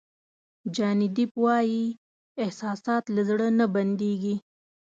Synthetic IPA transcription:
d͡ʒɑnɪd̪ipwɑji | ɪhsɑːsɑt̪lazɽənaband̪eɡi

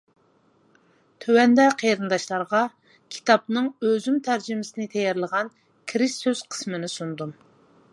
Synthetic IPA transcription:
t̪ʰøwɛnd̪ɛqʰeɾɨnd̪ɑʃlˠɑɾʁɑ | kʲʰi̥t̪ʰɑp̚nɨŋøzymt̪ʰæɾd͡ʒimɪsɪnɪt̪ʰɛjɛɾlˠəʁɑn | kʲʰɾɪʃsøz̥qʰə̥smɨnɪsund̪um

